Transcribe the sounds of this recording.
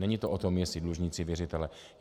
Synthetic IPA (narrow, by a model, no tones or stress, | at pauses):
nɛɲit̪oʔot̪o̞mjɛsɪdluʒɲɪt͡sɪvjɛrɪt̪ɛlɛ